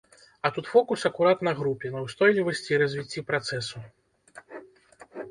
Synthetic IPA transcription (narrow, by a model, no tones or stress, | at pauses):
ɐt̪ut̪fɔkusɐkuɾat̪nɐɣɾupʲɛnɐwst̪ɔjlʲivɐsʲt͡sʲiːɾɐzʲvʲit͡sʲːipɾat̪sɛsu